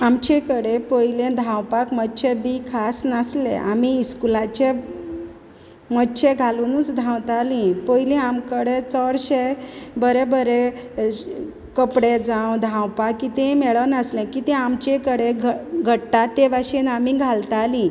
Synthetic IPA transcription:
amt͡ɕekəɽepəjlẽd̪ʱãwpakmətːɕʰebiːkʰasnəslḛa̰miːskulat͡ɕe | mətːɕʰeɡʱalunũt͡sd̪ʱãwt̪alĩpəjlẽamkəɽet͡səɽɕebəɾebəɾe | kəpɽed͡zãwd̪ʱãwpakːit̪ẽmeɭənəslẽkit̪ẽamt͡ɕekəɽeɡʱɡʱəʈːat̪ːeʋaɕenamiɡʱalt̪alĩ

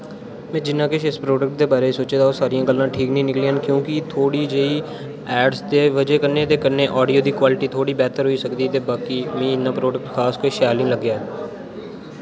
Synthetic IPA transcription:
mɛ̃ːd͡ʒɪnːãːkɪʃɪspɾoːɖək̚ʈ̚d̪eːbaːɾeːsoːt͡ʃeːd̪aoːsaːɾɪjãːɡəlːãːʈʰiːknĩːnɪkliːãːnkjõːkɪt̪ʰoːɽiːd͡ʒeːiː | ɛːɖsd̪eːʋəd͡ʒeːkəɾneːt̪eːkəɾneːʔɔːɖijoːd̪iːkwaːlɪʈiːt̪ʰoːɽiːbɛːt̪əɾɦoiːsəkd̪iːt̪eːbaːkiːmẽːɪnːãːpɾoːɖək̚ʈkʰaːskoiʃɛːlɪ̃ːləɡːjaː

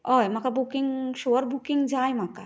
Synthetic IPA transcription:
ɔjmakabukiŋɡʃoɾbukiŋɡd͡ʒaːjmaka

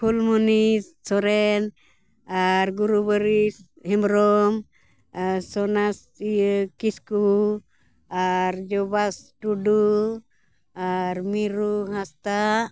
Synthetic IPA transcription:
pʰulmɔnisːɔɾɛn | aɾɡuɾubəɾis | himɾɔm | sɔnas | ijkisku | aɾd͡ʒɔbasʈuɖu | aɾmiɾuɦãst̪a

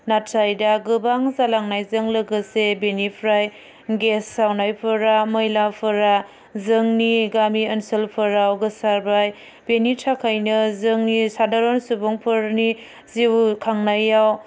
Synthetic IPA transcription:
natsajdaɡɯbaŋzalaŋnajzɯŋlɯɡɯsebenipʰɾaj | ɡesːawnajpʰɯɾaməjlapʰɯɾa | zɯŋniɡamiənselpʰɯɾawɡɯsaɾbaj | benitʰakʰajnɯzɯŋnisadaɾonsuboŋpʰɯɾni | ziwkʰaŋnajaw

